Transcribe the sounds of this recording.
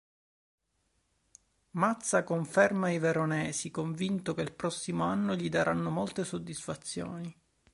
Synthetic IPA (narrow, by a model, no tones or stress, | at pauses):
mat̪sːakoɱfɛrmaiveɾonɛːsikoɱvint̪okelpɾɔsːimoanːoʎid̪aɾʔanːomolt̪esod̪ːisfat̪sːjo̰ːni